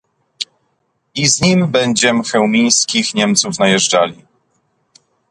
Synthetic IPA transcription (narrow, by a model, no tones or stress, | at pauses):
izɲimbɛɲd͡ʑɛmɘxɛwmʲij̃skʲixɲɛmt̪sufnajɛʐd͡ʐalʲi